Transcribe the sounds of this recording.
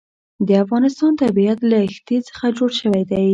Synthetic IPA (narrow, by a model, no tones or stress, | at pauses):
d̪əafɣɑnɪst̪ɑnt̪abiat̪laxt̪et͡sə̥xad͡ʒoɽʃəwajd̪aj